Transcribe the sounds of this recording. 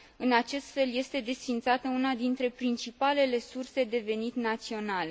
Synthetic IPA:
ɨnat͡ʃe̞st̪fe̞lje̞st̪e̞d̪e̞sfint̪sat̪əunad̪int̪ɾe̞pɾint͡ʃipale̞le̞surse̞d̪e̞ve̞nit̪nat̪sio̞nale̞

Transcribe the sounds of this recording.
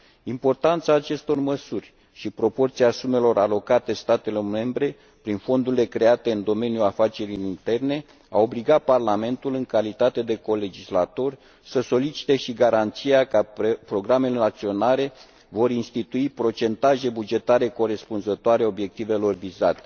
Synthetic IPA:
impo̞rt̪ant̪saːt͡ʃe̞st̪o̞rməsurʲ | ʃipɾo̞po̞rt̪siasume̞lo̞ɾalo̞kat̪e̞st̪at̪e̞lo̞rme̞mbɾe̞ | pɾinfo̞nd̪uɾile̞kɾe̞at̪e̞ɨnd̪o̞me̞nijuafat͡ʃe̞ɾiint̪e̞rne̞ | a̰o̞bliɡaparlame̞nt̪ulɨŋkalit̪at̪e̞d̪e̞ko̞le̞d͡ʒislat̪o̞rʲ | səso̞lit͡ʃi̥t̪e̞ʃiɡaɾant̪sijakapɾo̞ɡɾame̞le̞ak̚t̪sio̞naɾe̞ | vo̞ɾinst̪it̪uipɾo̞t͡ʃe̞nt̪aʒe̞bud͡ʒe̞t̪aɾe̞ko̞ɾe̞spunzət̪oaɾeo̞bje̞k̚t̪ive̞lo̞rvizat̪e̞̥

